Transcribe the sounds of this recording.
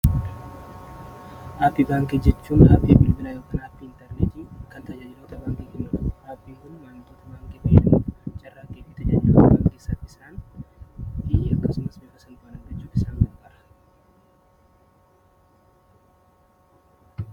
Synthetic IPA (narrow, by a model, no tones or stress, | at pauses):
ʔaːpːiːbaːŋked͡ʒɛt͡ʃːuːnaːbiːbɪlbɪnaːjoːkɐnaːpːiːɪnt̪ɛɾnet̪iːkɐnt̪ɐd͡ʒaːd͡ʒɪloːt̪ɐbaːŋkikɛnːʊaːpːiːŋkʊnmɐnt̪oːt̪ɐbaːŋkebɐjɛɐnt͡ʃʼɐrːaːɡeːfɪːt̪ɐd͡ʒa̰ːd͡ʒɪloːɐbaːŋkeːsɐt̪ːɪsaːn | iɐkːɐsʊmɐsbekːɐsɐnaːnɐɡɐt͡ʃːuːfɪsaːŋdɐɾbɐɾɐ̥